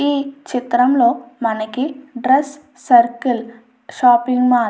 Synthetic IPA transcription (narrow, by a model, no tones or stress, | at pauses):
iːt͡ʃit̪ɾɐmlo̞ːmɐnɐkiɖɾesː | ɐɾkil | ʃaːpiŋɡmaː